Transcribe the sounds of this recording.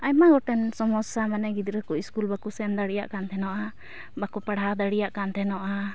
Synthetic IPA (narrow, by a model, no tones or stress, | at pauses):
ajmaɡɔʈɛnsɔmɔsamanaɡid̪ɾəkɔiskulbakusɛnd̪aɽija̰ʔkant̪ʰɛnɔʔa | bakupaɽad̪aɽijaʔkant̪ʰɛnɔʔa